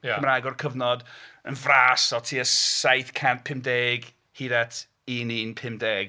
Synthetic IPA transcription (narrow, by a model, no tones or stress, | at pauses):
jmɾaɡɔrkʰəvnɔdənvraːsɔtʰiːəsajθkʰanpʰɪmdeːɡ | hiðɛtʰ | iːniːnpʰɪmdeːɡ̥